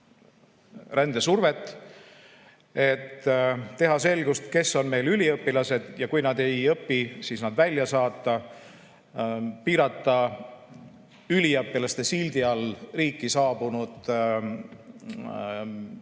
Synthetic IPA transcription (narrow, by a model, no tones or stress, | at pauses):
rend̪e̞survet̪ːˑ | e̞t̪ːe̞ɦɑse̞lɡ̥ust̪ke̞sːo̞nme̞jlylʲiɤpːilɑse̞d̪̥jɑkujnɑd̪e̞jɤpːisiːsnɑd̪vælʲjɑsɑːt̪ːˑɑ | piːɾɑt̪ːˑɑ | ylʲiɤpːilɑst̪e̞sild̪iɑlriːkːˑisɑːbunud̪̥